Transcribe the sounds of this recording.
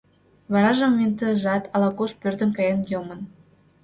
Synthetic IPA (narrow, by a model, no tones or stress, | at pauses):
βɑɾɑʒəmment̪əʒɑt̪ʰɑlɑkoʃpørt̪ə̆nkɑjɑnjomə̆n